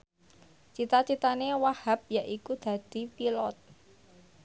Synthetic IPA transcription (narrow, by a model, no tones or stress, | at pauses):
t͡ʃit̪at͡ʃit̪anewahap̚jaʔikud̪̥ä̤d̪̥i̤pilɔt̪̚